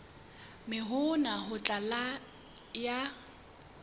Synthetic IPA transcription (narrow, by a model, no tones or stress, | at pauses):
mɪɦʊnaɦʊt͡ɬʼala | ja